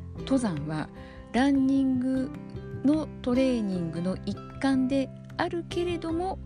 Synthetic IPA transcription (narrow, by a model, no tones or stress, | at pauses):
t̪o̞zãɰ̃βa̰ | ɾãɲːĩŋɡɯ̟no̞t̪o̞ɾe̞ːɲ̟ĩŋɡɯ̟no̞ʔikːãnd̪e̞ | aɾɯ̟ke̞ɾe̞d̪o̞mo̞